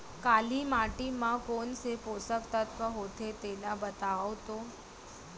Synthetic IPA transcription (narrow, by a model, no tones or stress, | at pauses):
kalimaʈimãkonseposəkt̪at̪kəɦot̪ʰet̪enabət̪aʋt̪o